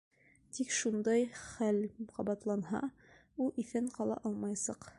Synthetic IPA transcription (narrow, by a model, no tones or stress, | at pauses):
t̪ikʃund̪ɑjχælqʰɑbɑt̪lˠɑnɦɑ̰ | ulˠʔifɘɴqɑlˠɑ̰ʔɑlˠmɑjsɑq